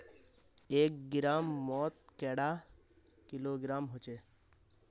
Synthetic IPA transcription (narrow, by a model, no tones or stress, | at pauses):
eːk̚ɡɪɾaːmːɔːt̪̚kɛːɽaː | kɪloːɡɪɾaːmɦot͡ʃeː